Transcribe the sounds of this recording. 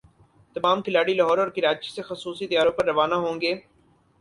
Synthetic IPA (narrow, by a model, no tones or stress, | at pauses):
t̪ɐmaːmkɪlaːɽilɐɦɔːɾɔːɾkɪɾaːt͡ʃisexɐsuːsit̪ɐjaːɾõpɐɾːɐʋaːnaɦõːŋɡeː